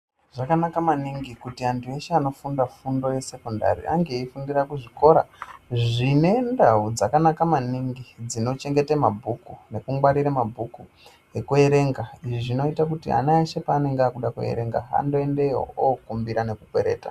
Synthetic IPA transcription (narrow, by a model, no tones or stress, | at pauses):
ʐ̥akanakamaniŋɡikutiantʰue̞ʃeano̞fundafundo̞je̞se̞konda̰ɾḭa̰ŋɡe̞iifundirakuʐiko̞ɾa̰ʐine̞ndaud͡zakanakamaniŋɡid͡zino̞t͡ʃe̞ŋɡe̞temabʱukune̞kumɡwaɾiɾamabʱuku | e̞kue̞ɾe̞ːŋɡaiʐiʐino̞itakutia̰naeʃepaːne̞ŋɡeakuɗakuḛɾe̞ŋɡa̰a̰ndo̞e̞ndeo̰okumbiɾane̞kukwe̞̰ɾe̞̰ːta̰